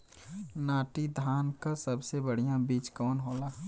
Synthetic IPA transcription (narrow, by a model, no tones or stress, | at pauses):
naːʈid̪ʱaːnkasəbsebəɽ̤ijãbiːt͡ʃkɔːnɦoːlaː